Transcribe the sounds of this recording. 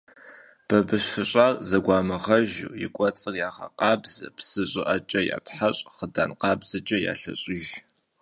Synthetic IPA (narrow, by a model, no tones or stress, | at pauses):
b̥ɐbɨɕfɨɕʼaːrzɐɡʷaːmɨʁɐʒṵjɪ̰kʷʼɔt͡sʼɨrjaːʁɐ̰qɑːbz̥ɐ̰psɨɕʼɪʔɐt͡ʃʼɐja̰ːtħaɕʼχədaːnqɑːbzɨt͡ʃʼɐja̰ːɬɐ̰ɕʼɪʒ